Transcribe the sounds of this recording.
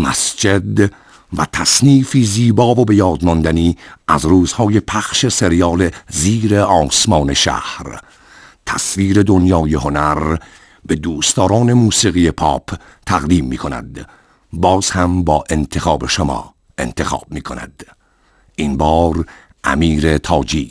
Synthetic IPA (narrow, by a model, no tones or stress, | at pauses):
mæ̰sd͡ʒe̞d̪ | væt̪ʰæsniːfiːziːbɒːvobe̞jɒːd̪mɒnd̪æniːʔæzruːz̥hɒːje̞pʰæxʃe̞se̞ɾijɒːle̞ziːɾeɒːsmɒːne̞ʃæ̰hɾ | t̪ʰæsviːɾe̞d̪onjɒːje̞ho̞næɾ | be̞d̪uːst̪ɒːɾɒːne̞muːsiːɣijepʰɒːpʰ | t̪ʰæɣd̪iːmːiːkʰo̞næ̰d̪̥ | bɒːz̥hæmbɒːʔe̞nt̪ʰe̞xɒːbe̞ʃomɒ̰ː | e̞nt̪ʰe̞xɒ̰ːb̥̚miːkʰo̞̰næ̰d̪̥ | ʔinbɒːɾ | ʔæ̰miːɾe̞t̪ʰɒːd͡ʒiː